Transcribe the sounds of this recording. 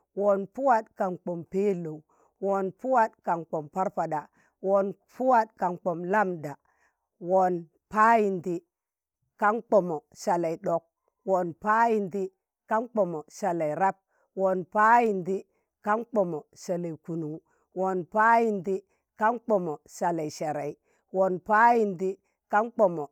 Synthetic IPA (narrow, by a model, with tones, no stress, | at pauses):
wo˨npu˦wa˦d̚ka˨nk͡po˨mpe˦lo˨ | wo˨npu˦wa˦tka˨nk͡po˨mpa˦ɾpa˨da˨ | wo˨n | pu˦wa˦tka˨nk͡po˨mla˦mda˨ | wo˨n | pa˦ji˨ndi˦ | ka˦nk͡po˨mo˨ʃa˨la˨i˨ɗo˨k̚ | wo˨npa˦ji˨ndi˦ | ka˦nk͡po˨mo˨sa˨la˨i˨ɾa˦p̚ | wo˨npa˦ji˨ndi˦ | ka˦nk͡po˨mo˨sa˨la˨i˨ku˨nu˨˦ | wo˨npa˦ji˨ndi˦ | ka˦nk͡po˨mo˨sa˨la˨i˨ʃe˨ɾa˨i˨ | wo˨npa˦ji˨ndi˦ | ka˦nk͡po˨mo˨